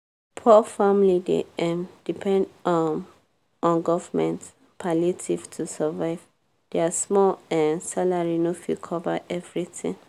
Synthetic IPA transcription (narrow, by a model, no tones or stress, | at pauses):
pʰɔfãmlidḛɛ̃md̥ipʰɛ̃ndɔn | ɔ̃nɡɔvmɛ̃nt | pʰalitʰiv̥tʰusavaɪv | d̥easmɔlɛ̃nsalaɹinofilkʰɔvaʔɛvɹitḭ̃ŋ